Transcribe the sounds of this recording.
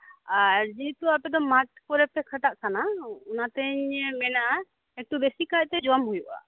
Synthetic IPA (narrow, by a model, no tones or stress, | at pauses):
aɾd͡ʒit̪uapɛd̪ɔmaʈ̚kɔɾɛpɛkʰaʈaʔkʰanaunat̪ɛɲmɛnaʔa | ek̚ʈubesikac̚t̪ɛd͡ʒɔamɦujuʔa̰